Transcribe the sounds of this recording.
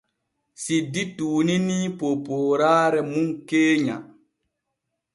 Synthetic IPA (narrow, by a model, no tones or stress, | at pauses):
sidːituːninipopoːɾaːɾɛmuŋkeːɲa̰